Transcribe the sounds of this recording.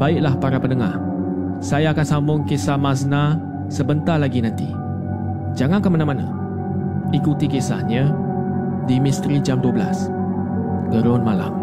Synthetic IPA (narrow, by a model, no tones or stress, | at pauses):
baɪʔlahpaɾapənəŋa̰h | sajaːkansambʊŋkesahmas̬na | səbənt̪alaɡinãnt̪ḭ | d͡ʒaŋãnkəmanamanã̰ | ikut̪ikesa̰hɲə̃ | dimist̪ɾid͡ʒamduəbəla̰s | ɡəɾɔnmala̰m